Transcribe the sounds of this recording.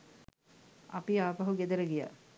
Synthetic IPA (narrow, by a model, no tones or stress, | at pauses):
apiaːpaɦuɡed̪əɾəɡija̰